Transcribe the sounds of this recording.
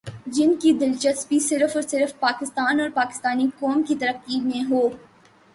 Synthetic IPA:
d͡ʒɪnkid̪ɪlt͡ʃəst̪̚bisɪɾfɔːɾsɪɾfpaːkɪst̪aːnɔːɾpaːkɪ̥st̪aːnikɔːmkit̪ɐɾəqimẽɦoː

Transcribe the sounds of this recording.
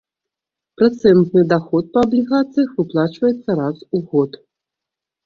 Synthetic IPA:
pɾat̪sɛnt̪nɨd̪axɔt̪̚pɐːblʲiɣat̪sɨjɐxvɨplˠat͡ʃvɐjɛt̪sːɐɾasuɣɔt̪

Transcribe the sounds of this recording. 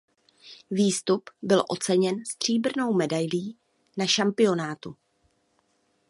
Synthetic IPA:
viːst̪upbɪlʔo̞̰t͡sɛɲɛnst̪r̝̥iːbr̩no̞wmɛdajliː | naʃampɪo̞naːt̪u

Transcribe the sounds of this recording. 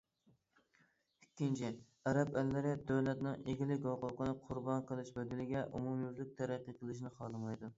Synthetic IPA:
ykʲʰːint͡ʃʰɪ | æɾɛpælːɪɾɪd̪øwlɛt̪nɪŋeɡʲilɪkʲoqʊqənɨqʰʊɾbɑnqʰəlˠɪʃbød̪ɪlɪɡʲɛʔṵmumjyvlɪk̚ʲt̪ʰæɾæqːəqʰəlˠɨʃ̬nɪχɑlˠɨmɑjd̪u

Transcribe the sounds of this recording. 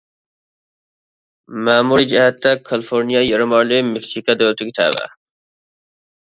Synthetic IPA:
maːmuɾid͡ʑihat̪ːakʰɐlfoːɾnijajɐɾɐmaːlemeksikad̪oːɾt̪ukit̪ʰa̰ːba̰

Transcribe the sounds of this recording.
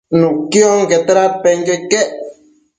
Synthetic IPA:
nũkjoŋket̪aɾat̪̚peŋkekeʔ

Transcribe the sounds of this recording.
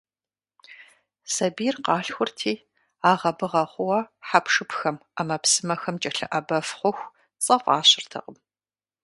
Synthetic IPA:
sɐbiːrqɑːɬxʷʊrtʰiː | aːʁɐbɨʁɐχʷʊwɐħapʰʂɨpxɐmamɐpsɨmɐxɐmt͡ʃʼɐɬɨ̰ʔɐbɐfχʷʊxʷ | t͡sʼɐfʷɑ̰ːɕɪrtʰɐ̰qəm

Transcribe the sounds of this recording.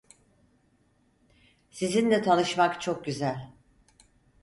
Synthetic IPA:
sizind̪ɛt̪ʰalˠɯʃmakt͡ʃʰok̚ɟyzælʲ

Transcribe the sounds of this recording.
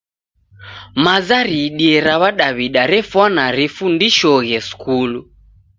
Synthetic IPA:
mazaɾiɗiɛɾaβaɗaβiɗaɾɛfwanaɾifundiʃɔɣɛskulu

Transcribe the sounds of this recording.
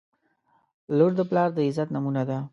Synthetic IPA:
loɾd̪əplɑɾd̪əɪzat̪namunad̪a

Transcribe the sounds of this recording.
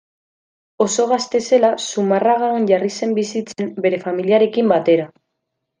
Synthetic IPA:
o̞so̞ɣ̞ast̪e̞se̞lasumaraɣaonʝarise̞mbisit͡se̞mbe̞ɾe̞familiaɾe̞kimbat̪e̞ɾa

